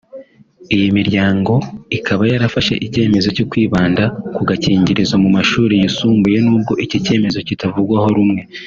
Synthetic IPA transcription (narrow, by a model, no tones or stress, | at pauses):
ijimiɾjaːŋɡo̞ikʰaβajaɾafaʃe̞̰ʔice̞ːme̞zo̞cokwiːβaːndakuɡaciːɲɟiɾizamumaʃuːɾijisuːmbuje̞nuːb̚ɡo̞ʔicice̞ːme̞zo̞citavuɡwaho̞ɾumŋe̞